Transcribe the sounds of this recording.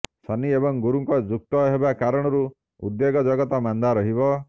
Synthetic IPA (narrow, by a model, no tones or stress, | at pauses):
sʰaniebɔŋɡuɾuŋkɔd͡ʒuk̚t̪ɔɦebakaɾɔɽ̃ɔɾu | ṵd̪jeɡɔd͡ʒɔɡɔt̪amand̪aɾɔɦibɔ